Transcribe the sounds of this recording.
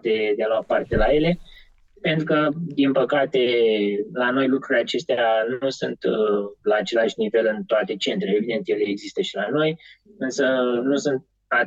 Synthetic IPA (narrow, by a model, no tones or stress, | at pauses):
d̪e̞d̪ealoapa̰rt̪e̞laje̞le̞ | pent̪ɾukəd̪inpəkat̪e̞lano̞jlukɾuɾleat͡ʃe̞st̪eanusunt̪laːt͡ʃe̞laʃʲnive̞lɨnt̪oat̪e̞t͡ʃe̞nt̪ɾeevid̪e̞nt̪je̞leːɡzist̪əʃilano̞jɨnsənusɨnt̪̚ | a